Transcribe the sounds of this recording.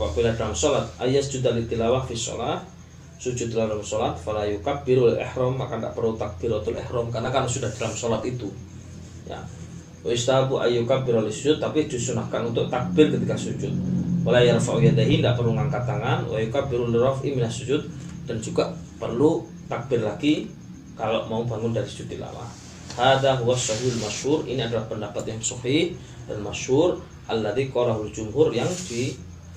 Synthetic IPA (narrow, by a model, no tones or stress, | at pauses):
fa̰ʔbiladalamsɔlat̪̚ʔa̰jasd͡ʒud̪alit̪ilawahfisɔ̰lah | sud͡ʒʊt̪̚ːilawdamsɔlat̪̚falajukabiɾulʔḛhɾɔmːakanda̰ʔpərlut̪ak̚b̥ɪɾwat̪ʊlɛ̰hɾɔmkaɾənakarnasudahdalamsɔlat̪it̪u | ja̰ | waist̪aɦabuʔa̰jukabɪɾolɪsud͡ʒʊt̪ːapidisunahkanunt̪ʊk̚t̪ak̚b̥ɪrkət̪ikasud͡ʒʊt̪̚walajaɾfaʔuiad̪aɦindaʔpərluŋaŋkat̪aŋanwa̰jukabiɾuliɾɔfʔiminasud͡ʒʊt̪̚d̥and͡ʒuɡaʔ | pə̰rlu | t̪ak̚bɪrlaɡi | kalo̰ʔmaubaŋʊndaɾisu̥d͡ʒut̪̚dila̰ma̰ | haðaɦuwasaɦialmaʃhʊrḭniadalahpəndapat̪jaŋsɔhih | danmaʃhʊr | ʔalːad̪ikoɾaɦuld͡ʒumɦʊrjaŋd̥i